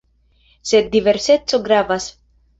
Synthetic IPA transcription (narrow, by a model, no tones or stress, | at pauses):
sed̪ːiveɾset͡soɡɾavas